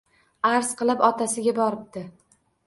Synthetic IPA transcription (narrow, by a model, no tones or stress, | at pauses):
aɾz̥qɨlˠɪpɒt̪ʰasɪɡʲabɒɾɪp̚d̪ɪ